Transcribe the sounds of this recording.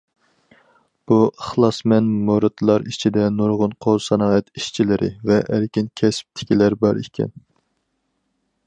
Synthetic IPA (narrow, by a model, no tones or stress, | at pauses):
b̥uəχlˠɑsmɛnmoɾɨt̪ʰlˠɑɾit͡ʃʰid̪ɛnoɾʁʊnqʰolˠsɑnɑːɛt̪iʃt͡ʃʰilɪɾʔɪ̰vɛʔæɾkʲinkʲʰɛsp̚t̪ʰɪ̥kʲilæɾbɑɾikʲʰɛ̰n